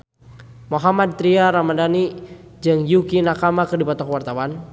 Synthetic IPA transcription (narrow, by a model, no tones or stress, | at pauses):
moɦamad̪̚t̪ɾiaɾamadani | d͡ʒɨŋjukinakamakərdipat̪ɔkwart̪awan